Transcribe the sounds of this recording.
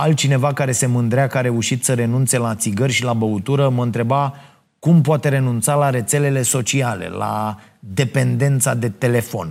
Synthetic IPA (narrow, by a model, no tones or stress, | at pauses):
alt̪̚t͡ʃine̞vakaɾe̞se̞mɨnd̪ɾeakaɾe̞uʃit̪səɾe̞nunt̪se̞laːt̪siɡərʲʃilabəut̪uɾəməɨnt̪ɾe̞ba | kumpoat̪e̞ɾe̞nunt̪salaɾe̞t̪se̞le̞le̞so̞t͡ʃiale̞̰la̰ | d̪e̞pe̞nd̪e̞nt̪sad̪e̞t̪e̞le̞fo̞̰n